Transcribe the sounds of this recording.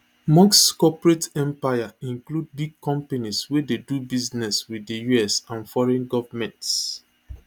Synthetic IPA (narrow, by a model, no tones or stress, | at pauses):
mɔ̃kskɔpɹetɛ̃mpajaĩŋklud̚biɡ̚kʰɔ̃mpaniswededubiznɛswiðəjuɛsãnfɔɹɛ̃nɡɔvamɛ̃nts